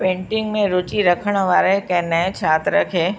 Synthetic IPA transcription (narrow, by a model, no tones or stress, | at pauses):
pẽːɳʈɪŋɡmẽɾʊt͡ʃiɾəkʰəɽ̃ʋaːɾekɛnɛẽt͡ʃʰaːt̪ɾəkʰeː